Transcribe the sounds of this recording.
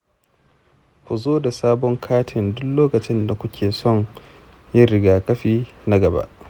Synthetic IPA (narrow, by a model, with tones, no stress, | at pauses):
kʷu˨zoː˦da˨saː˦bɔ˦ŋkʰaː˦tʰɪ˨ndʊ˦kloː˦kɐ˨t͡ʃɪ˦nda˨kʷʊ˦kʲʰeː˨sɔ˦˨ŋ | jɪ˦ɾɪ˦ɡaː˨kɐ˦ɸiː˦ | na˦ɡɐ˨ba̰˦ʔ